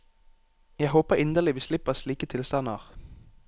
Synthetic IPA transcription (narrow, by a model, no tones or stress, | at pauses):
jæɪɦoːpəʁɪnd̪əlɪʋiːslɪpəsliːkət̪ʰɪlst̪ɑnəʁ